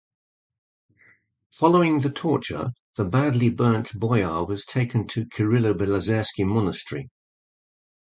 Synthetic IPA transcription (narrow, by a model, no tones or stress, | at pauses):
fɒləʊɪ̃ŋðətʰɔˑt͡ʃə̰ðəbadˡlibɜˑ˞nʔb̥ɔɪɑːwɒz̥tʰeɪkʰə̃ntʰəkʰəɹɪləbɛləzɛˑskimɒnəstɹ̥ḭ